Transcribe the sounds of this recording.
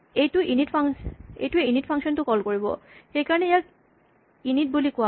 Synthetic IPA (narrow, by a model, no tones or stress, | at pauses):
ejʈuʔiniʈfʰaŋḛjʈueiniʈfʰaŋkʃɔnt̪ukɔlkoɹibo̰xejkaɾoneejak | init̚bulikoa